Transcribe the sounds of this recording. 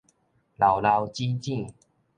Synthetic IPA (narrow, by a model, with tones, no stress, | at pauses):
la˨˩wla˧wt͡ɕi˦t͡ɕĩ˥˧˨